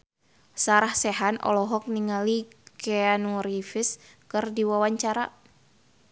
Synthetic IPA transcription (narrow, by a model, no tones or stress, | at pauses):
saɾahsɛɦanʔɔ̰lɔɦɔk̚niŋalikɛanuɾifis | kɨrdiwawaɲt͡ʃaɾa̰